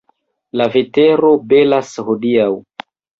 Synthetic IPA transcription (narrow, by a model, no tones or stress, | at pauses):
laveteɾo̞belashodiaw